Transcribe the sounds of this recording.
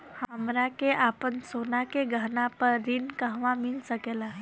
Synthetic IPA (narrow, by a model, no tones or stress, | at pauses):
həəmɾakeʔapənsonakeɡʱanapəɾːinkaɦʋamilsəkela